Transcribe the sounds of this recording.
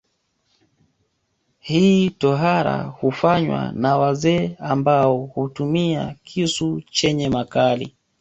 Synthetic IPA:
hiːtɔɦaɾa̰hufaɲwa̰nawazɛːambaɔhutumia̰kʰisut͡ʃɛɲɛmakalḭ

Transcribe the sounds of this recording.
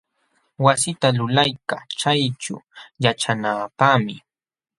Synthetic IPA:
wasɪt̪alʊlajka̰t͡ʃajʈ͡ʂʊ̰jaʈ͡ʂanaːpamɪ

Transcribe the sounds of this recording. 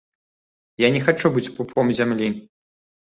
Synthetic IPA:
janʲɛxat͡ʂubɨt͡sʲpupʰɔmzʲamlʲi

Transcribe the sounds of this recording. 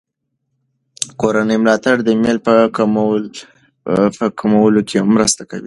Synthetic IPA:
koɾanəjmlɑt̪aɽd̪əmelpə | pəkamawəlokeamːɾəst̪akawi

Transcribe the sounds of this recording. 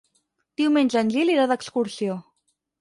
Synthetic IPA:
d̪̥iwmenʲzənʲʎiliɾaðəkskuɾsio

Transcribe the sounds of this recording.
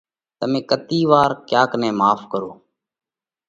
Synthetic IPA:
t̪əmẽːkət̪iːʋaːɾkjaːkənẽːmaːfkəɾoː

